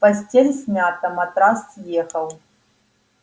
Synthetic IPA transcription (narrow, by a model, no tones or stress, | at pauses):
pɐsʲtʲelʲsʲmʲat̪ɐmɐt̪ʼɾast̪jexɐlˠ